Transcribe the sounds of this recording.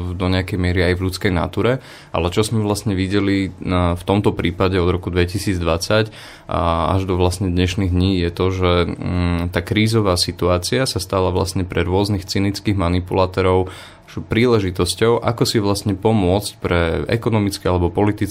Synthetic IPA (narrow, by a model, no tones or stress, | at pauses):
d̪ɔɲɛakɛjmɪɛɾiajvlʎut͡skɛjna̰t̪uːɾɛ | ʔa̰lɛt͡ʃɔzmɛʋlastɲɛʋiɟɛlift̪ɔmt̪ɔpɾiːpaɟɛɔd̪ɾɔkud̪ʋɛcisiːd͡zd̪ʋat͡sac | a̰ʒd̪ɔʋlasɲɛd̪ɲɛʃniɣd̪ɲiːjɛt̪ɔʒɛ | t̪aːkɾiːzɔʋaːsit̪uaːt͡siasast̪alaʋla̰sɲɛpɾɛɾʊɔznixt͡sinit͡skiːɣmanipulaːt̪ɔɾɔʊ | pɾiːlɛʒit̪ɔscɔʊʔa̰kɔsiʋlastɲɛpɔmʊɔt͡sc̚pɾɛɛ̰kɔnɔmit͡skɛalɛbɔpɔlit̪it͡s